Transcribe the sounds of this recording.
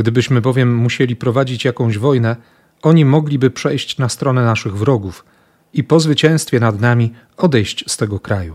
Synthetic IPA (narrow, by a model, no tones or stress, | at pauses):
ɡd̪ɘbɘɕmɘbɔvʲjɛmːuɕelʲipɾɔvad͡ʑit͡ɕjakɔ̃w̃ʑvɔjnɛ | ɔɲimɔɡlʲibɘpʂɛjɕt͡ɕnast̪ɾɔnɛnaʂɘɣvɾɔɡuf | ipɔzvɘt͡ɕɛ̃w̃st̪fʲjɛnad̪namʲi | ɔd̪ɛjɕt͡ɕst̪ɛɡɔkɾaju